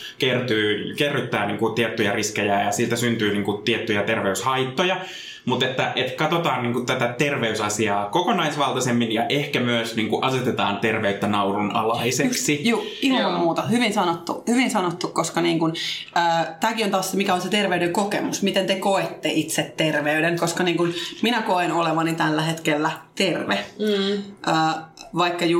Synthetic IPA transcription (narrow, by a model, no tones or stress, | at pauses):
kert̪yːkerːyt̪ːæːniːŋkut̪iɛt̪ːyjɑriskejæːjɑsiːlt̪æsynt̪yːniːŋkut̪iɛt̪ːyjæt̪erʋeyshɑjt̪ːojɑ | mut̪et̪ːæʔet̪kɑt̪ot̪ɑːnniːŋkut̪æt̪æt̪erʋeysɑsiɑːkokonɑisʋɑlt̪ɑsemːinjɑʔehkæmyøsniːŋkuʔɑset̪et̪ɑːnt̪erʋeyt̪ːænɑurunɑ̰lɑiseksijuːihɑɑmmuːt̪ɑhyʋinsɑnot̪ːṵhyʋinsɑnot̪ːukkoskɑniːŋkunəːt̪æːkiont̪ɑsːemikæonset̪erʋeydeŋkokemusmit̪ent̪ekoet̪ːeʔit̪set̪terʋeydeŋkoskɑniːŋkunminækoenoleʋɑnit̪ælːæhet̪kelːæt̪erʋe | ʔəːʋɑikːɑju